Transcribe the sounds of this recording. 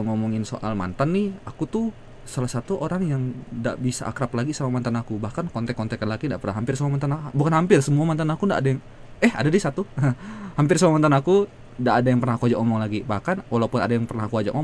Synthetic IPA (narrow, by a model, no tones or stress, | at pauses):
ŋomɔŋɪnso̰ʔalma̰nt̪anːɪhakut̪u | salahsat̪uʔoɾaŋjaŋda̰ʔbisa̰a̰kɾaplaɡisamamant̪anakubahkankɔnt̪ɛkːɔnt̪ɛkanlakindaʔpərnaɦampɪrsəmamant̪anabukanɦampɪrsəmuamant̪anakunda̰ʔadajaŋ | ɛha̰dadisat̪uəhampɪrsəmuamant̪anaku | ndaʔːdajaŋpərnakuad͡ʒaʔomɔŋlaɡibahkanwʔalaupʊnadajaŋpərnahkuad͡ʒa̰ʔom